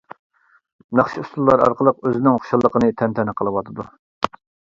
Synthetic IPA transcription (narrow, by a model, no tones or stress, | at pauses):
nɑχʃiust̪ʰulːˠɑɾɑ̰ɾqəlˠəqøzɪnɪŋχo̥ʃɑlˠːəqənɨt̪ʰɛnt̪ʰɛnɨqʰəlˠɨwɑt̪ʰɨd̪u